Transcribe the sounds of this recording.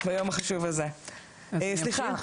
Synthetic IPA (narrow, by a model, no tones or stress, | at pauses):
bajomaχaʃuvalze | sliχa